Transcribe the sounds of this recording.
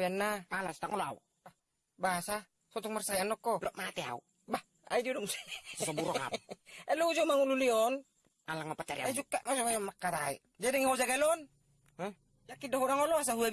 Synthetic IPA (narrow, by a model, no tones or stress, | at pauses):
ianːamalast̪aŋɔloa̰ṵ | ba | basa | sɔt̪ɔŋmarsajanɔkɔlɔʔmat̪ɛa̰ṵ | ba | a̰idiodɔmssasɔbuɾɔa̰pɛlɔud͡ʒomaŋululiɔn | alaŋmapat͡ʃaɾiaid͡ʒukːaʔmasɔkajamakːaɾaḭ | d͡ʒadɛŋhod͡ʒaɡalɔn | jakidaɦɔɾaŋɔlɔas̬aɦua